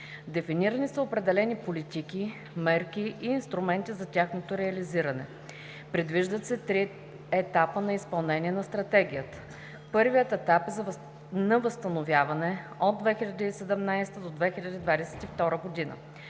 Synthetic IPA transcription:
d̪ɛfiniɾənisəopɾɛd̪ɛlɛnipolit̪iki | mɛɾkiʔiːnst̪ɾumɛnt̪izɐt̪ʲaxnot̪oɾɛɐliziɾɐnɛ̰ | pɾɛd̪viʒd̪ət̪sɛt̪ɾi | ɛt̪apənɐispɐlˠnɛnʲiɛnɐst̪ɾɐt̪ɛɡ̟ijət̪ə̥ | pɤɾvijət̪ɛt̪apɛz | nɐvəst̪ənovʲjavɐnɛod̪ːvɛxilʎʲəd̪əisɛd̪ɛmnajst̪əd̪od̪vɛxilʲɐd̪id̪vad̪ɛsɛ̥t̪ift̪ɔɾəɡod̪inə̰

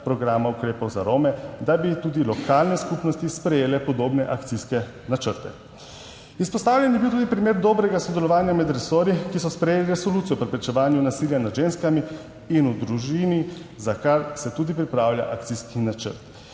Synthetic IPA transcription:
pɾɔɡɾaːmaukɾeːpɔwzaɾoːmɛd̪abit̪uːd̪ilɔkaːlnɛskupnɔst̪ispɾɛjeːlɛpɔd̪oːbnɛʔakt̪siskɛ | nat͡ʃəɾt̪ɛ̰ | ispɔst̪aːwlʲjɛnjɛbiwt̪uːd̪ipɾimeːɾd̪ɔːbɾɛɡasɔd̪ɛlɔʋaːnjamɛd̪ɾɛsoːɾikisɔspɾɛjeːliɾɛsɔluːt̪sijɔpɾɛpɾɛt͡ʃɛʋaːnjunasiljanad̪ʒenskami | inud̪ɾuʒinizakaɾsɛt̪uːd̪ipɾipɾaːwlʲja̰ʔak̚t̪siskinat͡ʃə̰ɾt̪

